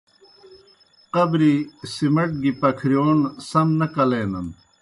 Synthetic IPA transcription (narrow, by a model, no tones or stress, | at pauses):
qɐbɾisimɐʈ̚ɡipɐkʰɾijoːnsɐmnɐkɐleːnɐn